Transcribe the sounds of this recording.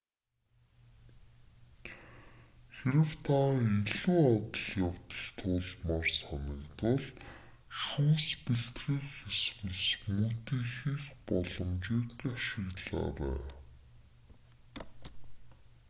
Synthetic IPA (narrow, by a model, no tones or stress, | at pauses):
xeɾɘ̆wt̪ʰaiɮuːɔt̪ə̆ɮjawt̪ə̆ɮt̪ʰʊːɮmaːrsaniːkt̪ʊɮ | ʃuːspiɬt̪ɣiːkxeswɘ̆ɮsmɵt̪iːxiːxpɔɮɞ̆mt͡ɕiːkaʃɪ̆ɣɮa̰ːɾæ̰ː